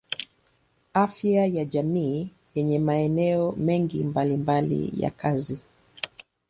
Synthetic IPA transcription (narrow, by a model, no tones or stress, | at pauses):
afjajaʄamiːjɛɲɛmaɛnɛɔmɛŋɡimbalimbalḭja̰kʰazi